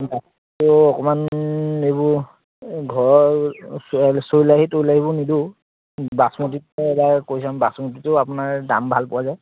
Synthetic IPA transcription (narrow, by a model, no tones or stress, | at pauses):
bas | tʊɔkɔmanejbʊɹ | ɡʱɔɹɔɹ | soɹilaɦitoilaɦibɔnidu | basmut̬itɛɛbakojs̬ambasmotitʊapʊnaɹda̰mbʱalpʊwazaj